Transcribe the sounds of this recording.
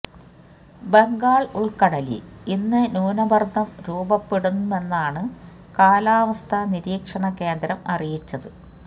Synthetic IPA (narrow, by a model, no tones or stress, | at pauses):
be̞ŋɡaːɭuɭkɐɽɐlḭinːɨnuːnɐbɐrd̪ɐmɾuːbɐpːeɽunːume̞nːaːɳɨ | kaːlaːʋɐst̪ʰɐniɾiːkʂɐɳɐke̞ːnd̪ɾɐmɐrijit͡ɕːɐðɨ